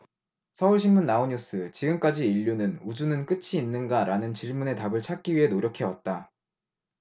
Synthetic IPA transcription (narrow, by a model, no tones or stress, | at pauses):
sʰʌuɭɕʰinmunːaoɲus͈ʰɯt͡ɕiɡɯmk͈ad͡ʑiːʎːunɯnud͡ʑunɯnk͈ɯt͡ɕʰiːnːɯnɡaɾʔanɯnt͡ɕiɭmune̞tabɯɭt͡ɕʰak̚k͈iɥiɦe̞noɾjʌkʰe̞wʌt̚t͈a